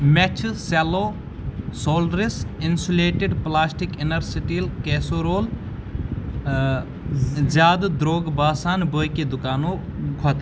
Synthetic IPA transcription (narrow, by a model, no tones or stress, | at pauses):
mɛt͡ʃʰseloː | soːlɖɾɪsɪnsuleːʈɪɖplaːsʈɪkɪnɐɾsiʈilkeːsoːɾoːl | zjaːd̪d̪ɾoːɡbaːsaːnboːjked̪ʊkaːnoːkʰɐt̪ː